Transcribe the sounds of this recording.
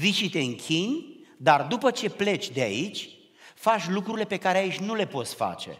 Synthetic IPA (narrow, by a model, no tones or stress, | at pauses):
vit͡ʃit̪e̞ɨŋkʲʰinʲd̪ard̪upət͡ʃe̞ple̞t͡ʃʲd̪ea̰it͡ʃʲ | fat͡ʃʲlukɾuɾile̞pe̞kaɾeait͡ʃʲnule̞po̞t̪sʲfa̰t͡ʃe̞̰